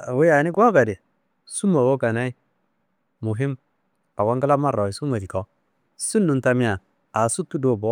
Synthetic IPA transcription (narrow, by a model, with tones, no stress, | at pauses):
we˦ja˨ni˦ɡa˦ka˨di˨ | su˦ma˨wo˦ka˨na˦i˦ | mu˨ɦi˦m | a˨wa˦ŋɡa˦la˦ma˦ɾa˨i˨su˦ma˨di˨ko˦ | su˦nːu˨nta˦mi˦a˨ | a˨su˦tːu˦do˦˨bo˨˦